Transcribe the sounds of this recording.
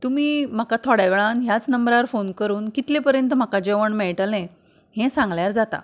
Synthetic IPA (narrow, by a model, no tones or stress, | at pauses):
t̪umiːm̤akat̪ʰɔɽaʋeɭanɦjat͡snəmbɾaɾfonkəɾuːnkit̪lepəɾjənt̪əm̤akad͡ʑeʋəɳmeɭʈəlɛ̃ | ɦɛ̃sãŋɡljaɾd͡zat̪a̰